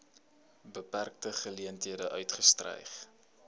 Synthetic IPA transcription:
bəpærk̚təχəliəntɦiədəʔœɥtχəstrɛ̰jχ

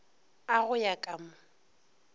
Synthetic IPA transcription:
aɣʊjakʼamʊ

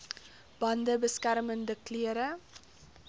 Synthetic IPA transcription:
b̥ɐndəbəskæɾməndəkliəɾə

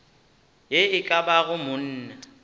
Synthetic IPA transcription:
jeɪkʼabaɣʊmʊn̩ːna

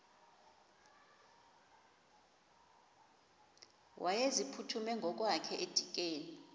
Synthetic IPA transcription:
wʔajezipʰutʰumɛŋɡʱɔk̬ʼwakʰɛʔed̥ʱik̬ʼeːni

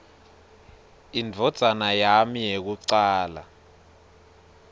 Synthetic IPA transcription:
ind͡vʱɔd̥z̥ʱanajamijek̬uǀaːla̰

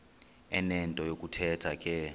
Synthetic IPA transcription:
ɛnɛntʼɔjokʼutʰɛtʰakʼɛ

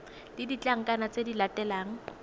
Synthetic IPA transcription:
d̥idit͡ɬʼaŋ̩kʼanat͡sʼedilatʼɛlaːŋ̩

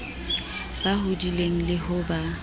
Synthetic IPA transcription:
bahʊdileŋ̩lɪhʊba

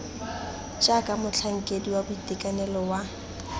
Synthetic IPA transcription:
t͡ʃʼakʼamʊt͡ɬʰaŋ̩kʼediwabʊitʼekʼanɛlɔwa

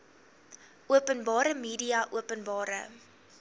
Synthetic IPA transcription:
uəpənbɑːɾəmiːdiɐʔuəpənbɑːɾə̰

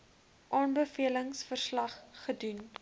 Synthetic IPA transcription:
ʔɑːnbəfiələŋsfərslɐχːədun

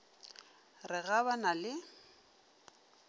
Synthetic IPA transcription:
rɪɣabanalɪ

